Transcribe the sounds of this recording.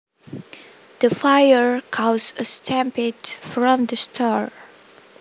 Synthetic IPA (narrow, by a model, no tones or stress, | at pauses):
d̪̥əfajəɹkʰasəstʰæ̃mpɪtfɹɔ̃md̪əstʰaɹ